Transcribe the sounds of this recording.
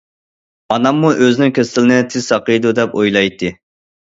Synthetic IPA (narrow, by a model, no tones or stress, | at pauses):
ɑnɑmːuʔøzɪnɪŋkʲʰøsɪlɪnɪt̪ʰɪz̥sɑqəjd̪ud̪ɛpojlˠɑjt̪ʰːɨ